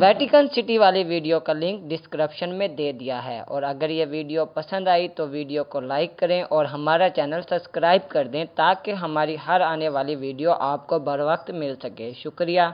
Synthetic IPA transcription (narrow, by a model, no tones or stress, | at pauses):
ʋɛːʈɪkənsɪʈiʋaːliʋiːɖijokalɪ̃ŋkɖɪskəɾəpʃənmẽd̪eːd̪ɪjaɦɛ̰ːɔ̰ːɾɐɡəɾjeʋiːɖijopɐsə̃nd̪aːit̪oʋiːɖijokolaːɪkːɐɾẽʔɔːɾɦɐmaːɾat͡ʃɛːnəlsɐbskɾaːɪb̚kɐɾd̪ẽt̪aːkeɦɐmaːɾiɦɐɾaːneʋaːliʋiːɖijoʔaːpkobʱɐɾʋək̚t̪mɪlsɐkeːʃʊkɾijaː